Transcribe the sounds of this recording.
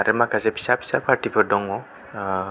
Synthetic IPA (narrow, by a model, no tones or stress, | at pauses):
aɾɛmakazɛpi̥sapʰi̥sapʰaʈibʰɔdɔŋɔ